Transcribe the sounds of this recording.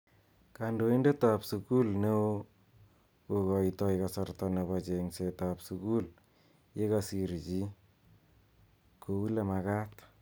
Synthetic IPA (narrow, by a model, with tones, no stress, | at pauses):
ka˨ndo˨˦i˦nde˦ta˨psuku˦lne˦o˦ | ko˨kɔ˨itɔ˦jkasɔrtɔne˨βat͡ʃe˨ŋse˨tapsuku˦l | je˦ka˨si˨ɾt͡ʃi˦ | kʰo˨wu˦le˨ma˨ka˦t